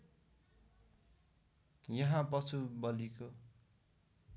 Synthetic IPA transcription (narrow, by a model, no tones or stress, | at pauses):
jʌɦãpʌt͡sʰubʌliko